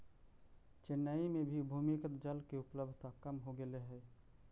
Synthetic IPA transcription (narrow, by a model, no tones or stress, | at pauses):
t͡ʃenːəimebʱibʱumikət̪d͡ʒəlkeupləbd̪ʱt̪akəmɦoɡeleɦɛ